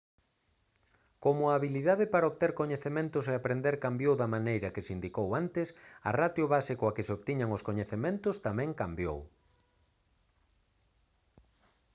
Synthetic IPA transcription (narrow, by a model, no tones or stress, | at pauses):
komʊaːβiliðaðɪpaɾaoβt̪eɾkoɲeθemẽnt̪ʊseapɾend̪eɾkambjowðɐmanejɾɐkɪsind̪ikowant̪ɪsɐ̰rat̪jʊβasikoɐkɪsoβt̪iɲaŋʊskoɲeθemẽnt̪ʊst̪amɛ̃ŋkambjo̰w